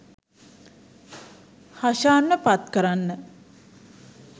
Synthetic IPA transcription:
haʃaːnːəpat̪kəɾanːə

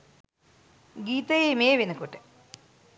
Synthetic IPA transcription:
ɡiːt̪ɐjemeːʋinɨkoʈːe

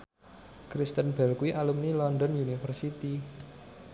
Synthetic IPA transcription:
kɾist̪ənb̥ɛ̤lkuwiʔalumnilɔndɔnjunifərsit̪i

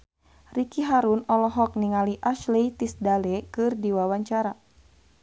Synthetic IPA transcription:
rikiɦaɾunɔlɔɦɔk̚niŋaliʔaʃleit̪isdalɛkɨrdiwawaɲt͡ʃaɾa

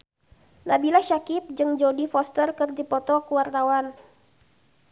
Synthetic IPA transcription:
nabilaʃakip̚d͡ʒɨŋd͡ʒodifɔst̪ərkərd̪ipɔt̪ɔkuwart̪awan

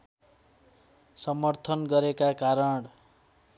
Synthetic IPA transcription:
sʌmʌrt̪ʰʌnɡʌɾekakaɾʌɳ

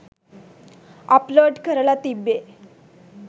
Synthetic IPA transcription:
əploɖkəɾlat̪ibe

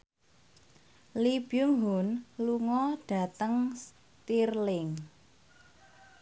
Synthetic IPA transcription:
lib̥jʊŋɦunluŋɔɖ̥ä̤t̪əŋs | t̪irlɪŋ

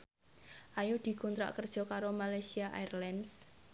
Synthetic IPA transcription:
ʔajud̪̥i̤kunt̪ɾa̰ʔkərd̥ʒ̥ɔ̤kaɾomalajsiaʔa̰ɛrlɛns

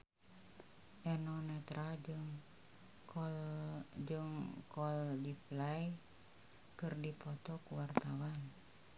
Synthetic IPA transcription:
ʔɛnonɛt̪ɾʔaŋ | d͡ʒɨŋkɔldiplaj | kɨrdipɔt̪ɔkuwart̪awan

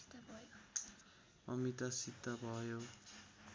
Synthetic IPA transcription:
ʌmit̪ʌsid̪ʱːʌbʱʌjo

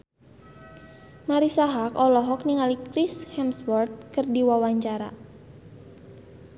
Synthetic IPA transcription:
maɾisaɦakɔlɔɦɔk̚niŋalikɾishɛmswɔrt̪̚kɨrdiwawaɲt͡ʃaɾa̰

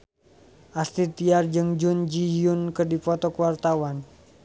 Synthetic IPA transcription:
ʔast̪it̪iard͡ʒɨŋd͡ʒund͡ʒijunkɨrdipɔt̪ɔkəwart̪awan

